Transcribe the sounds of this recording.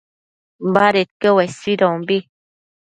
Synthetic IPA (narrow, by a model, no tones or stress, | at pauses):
m̩baɾet̚kəwɛsidɔŋmbi